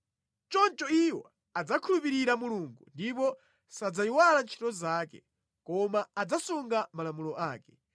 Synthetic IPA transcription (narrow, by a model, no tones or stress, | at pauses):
t͡ʃɔnt͡ʃɔiwɔ̰ | ad͡zakʰulupiɾiɾamuluːŋɡṵndipɔ | sad͡zaiwalant͡ʃʰi̥tɔzaːkɛ̰ | kɔmaːd͡zasuŋɡamalamulɔʔaːkɛ̥